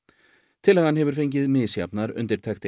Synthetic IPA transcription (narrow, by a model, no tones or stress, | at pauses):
t̪ʰɪlɛɣhanhɛvʏɾ̥fejɲc̬ɪðmɪːðsja̰pnaɾʏ̰nt̪ɪɾ̥t̪ʰɛxt̪ɪ